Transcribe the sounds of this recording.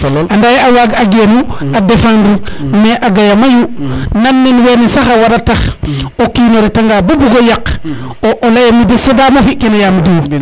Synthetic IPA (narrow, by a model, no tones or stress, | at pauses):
andajawaɡaɡenuadefandineʔaɡajamajunanːinwenesaxawaɾataxokinoɾitaŋɡabubuɡojak | oʔolajamidisedamofikːinajamdi